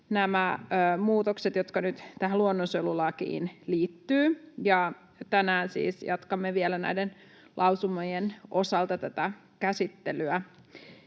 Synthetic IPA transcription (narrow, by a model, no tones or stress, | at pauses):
næmæøːmuːt̪okset̪jot̪kɑnyt̪t̪æhæluonːonsølulɑkḭːnliːt̪ːyːjɑ | t̪ænæːnsḭːsjɑ̰t̪kɑmːeʋielænæ̰ijden | lʔɑuwsumojenʔosɑlt̪ɑt̪æt̪æ | kæsit̪ːelyæ